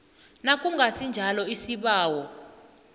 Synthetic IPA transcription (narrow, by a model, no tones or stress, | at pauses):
nakʼuŋɡʱasind͡ʒʱalɔisiɓaːwɔ